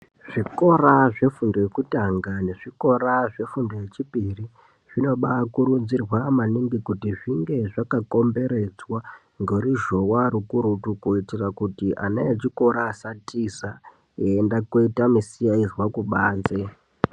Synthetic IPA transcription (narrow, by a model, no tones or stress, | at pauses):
ʐ̥iko̞raʐefundojekutaŋɡane̞ʐiko̞ɾaʐe̞fundo̞je̞t͡ʃipiri | ʐ̥ino̞ɓakuɾud͡zirwamanimbikutiʐiŋɡe̞ʐakako̞mbe̞ɾe̞d͡zwa | ŋɡoɾiʒo̞waɾukuɾutukuitirakutiʔa̰neet͡ʃiko̞ɾaːsatisa | eːndakoitamisijaizwakuɓaːnze